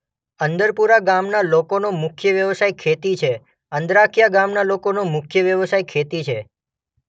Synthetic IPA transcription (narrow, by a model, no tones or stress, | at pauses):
ənd̪əɾpuɾaɡamnalokonomʊkʰjəʋjəʋsajkʰet̪it͡ʃʰe | ənd̪ɾakʰijaɡamnalokonomʊkʰjəʋjəʋsajkʰet̪it͡ʃʰe